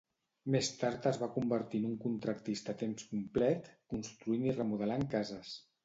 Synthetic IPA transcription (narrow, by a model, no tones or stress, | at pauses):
mest̪aɾt̪əzβakumbəɾt̪inuŋkunt̪ɾəkt̪ist̪ət̪emskumplɛt̪kunst̪ɾuinirəmuðəlaŋkazəs